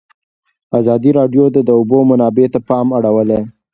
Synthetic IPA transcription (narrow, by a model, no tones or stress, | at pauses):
azɑd̪iɾɑɖjod̪əd̪əʊbomanɑbet̪apɑmaɽawəle